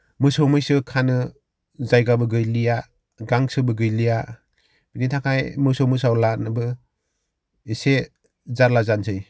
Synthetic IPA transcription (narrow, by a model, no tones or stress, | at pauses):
mɯsɔwmɯjsɯkʰanɯ | zajɡabɯɡɯjlija | ɡaŋsɯbɯɡɯjlija | b̥initʰakʰajmɯsɔwmɯsawlanɯbɯ | ese | zaɾlazansʰɯj